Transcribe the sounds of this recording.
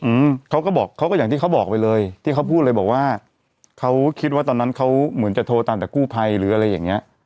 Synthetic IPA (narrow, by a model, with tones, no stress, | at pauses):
ʔɯː˧˩mkʰa˦˥wkɔː˥˩bɔː˨˩kʰa˦˥wkɔː˥˩aː˨˩ŋiː˥˩kʰa˦˥wbɔː˨˩k̚pa˧jlɤː˧jt̪ʰiː˥˩kʰa˦˥wpʰu˥˩lɤː˧jbɔː˨˩k̚waː˥˩ | kʰa˦˥wkʰi˦˥waː˥˩t̪ɔː˧nːa˦˥nkʰa˦˥wmɯ˩˦nt͡ɕa˨˩t̪ʰoː˧t̪aː˧mt̪ɛː˨˩kuː˥˩pʰa˧jɾɯː˩˦ʔa˧ɾa˧jːaː˨˩ŋni˦˥ɐʔ